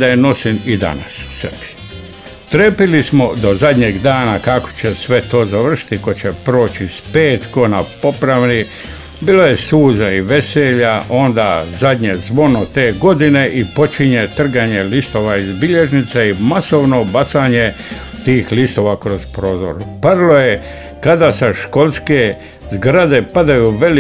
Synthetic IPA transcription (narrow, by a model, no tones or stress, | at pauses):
d̪ajeno̞sinid̪a̰na̰ssebi̥ | t̪ɾepilismo̞d̪o̞zad̪ʲɲeːɡd̪aːnakako̥t͡ɕesʋe̞t̪o̞ːzaʋr̩ʃi̥t̪iko̞t͡ɕepɾo̞ːt͡ɕispeːt̪konapo̞pɾaʋni | biːlˠo̞jesuːzaiʋe̞seʎaʔo̞nd̪azad̪ʲɲezʋo̞not̪e̞ːɡo̞d̪ine̞ʔipo̞t͡ʃiɲet̪r̩ɡaɲe̞list̪o̞ʋaizbiʎe̞ʒnit̪seimaso̞ʋnobat̪saːɲe | t̪iːxlist̪o̞ʋakɾospɾo̞ːzo̰ɾpaɾloje | kad̪asaʃko̞lˠske | zɡɾad̪e̞pad̪ajuːʋe̞l